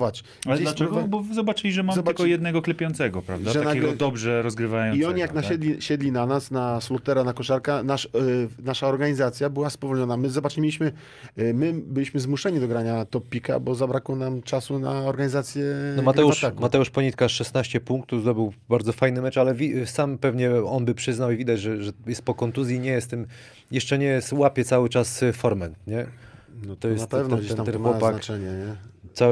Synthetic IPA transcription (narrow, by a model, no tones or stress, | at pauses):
vat͡ɕ | ald͡ʑelaɛɡɔbɔvzɔbat͡ʂɘlʲiʐɛmamɔbakɔjɛd̪nɛɡɔklɛpʲjɔnsɛɡɔpɾa̰vaʐɛanɛɡɔd̪ɔbʐɛɾɔzɡɾɘvajɔniɔɲijaknaɛd̪lʲiɕɛd̪lʲinanasnaslɔt̪ɛɾanakɔʂaɾkanaʂnaʂaɔɾɡaɲizat̪sʲjabɘwaspɔvɔlɲɔnamɘzɔbat͡ʂmʲiɕmɘ | mɘbɘlʲiɕmɘzmuʂɛɲid̪ɔɡɾaɲat̪ɔpʲːika̰bɔzabɾakwɔnamt͡ʂasuna̰ɔɾɡaɲizat̪sʲjɛnɔmat̪ɛuʂakmat̪ɛuʂpɔɲit̪kaʂɛsnaɕt͡ɕɛpuŋk̚t̪uvzd̪ɔbɘwbaɾd̪zɔfajnɘmɛt͡ʂalɛvʲisampɛvɲɛɔnbɘpʂɘznawivʲid̪ad͡ʑʐɛʐɛjɛst̪̚pɔkɔnt̪uzʲjiɲɛjɛst̪ɛm | jɛʂt͡ʂɛɲɛjɛst̪wapʲjɛt̪sawɘt͡ʂasfɔɾmɛnt̪ɲɛ | nɔt̪ɔjɛtpɛvd͡ʑeamɛnwɔpak̪at͡ʂɛɲɛɲɛt̪sa